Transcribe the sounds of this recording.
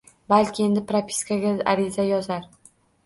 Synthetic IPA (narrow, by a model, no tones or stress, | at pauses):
balkʲɪe̞nd̪ɪpɾapʰʲi̥skʰaɡʲaa̰ɾɪzajɒzaɾ